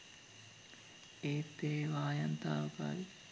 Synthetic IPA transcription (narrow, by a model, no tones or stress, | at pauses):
eːt̪ːeːʋaːjɐnt̪aːpa̰ʋi